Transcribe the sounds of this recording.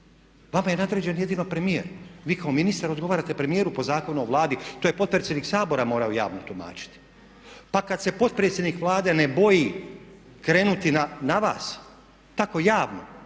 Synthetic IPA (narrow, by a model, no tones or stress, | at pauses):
ʋamaje̞nad̪ɾed͡ʑe̞nje̞d̪inopɾemijḛɾʋiːkao̞minist̪aɾod̪ɡo̞ʋaːɾat̪e̞pɾe̞mijeːɾupo̞zaːko̞nuoʋlˠaːd̪it̪oːje̞po̞t̪̚pɾesʲjeniksaːbo̞ɾamo̞ːɾaoja̰ːʋnot̪uma̰ːt͡ʃi̥t̪i̥ | pakad̪se̞po̞t̪̚pɾet̪sʲje̞d̪nikʋlˠaːd̪e̞ne̞bo̞ji | kɾe̞ːnut̪inanaʋa̰ːs | t̪ako̞jaːʋno̰